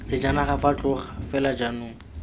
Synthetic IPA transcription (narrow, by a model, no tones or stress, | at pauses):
t͡sɪd͡ʒanaχafat͡ɬʼʊχafɛlad͡ʒanʊŋ̩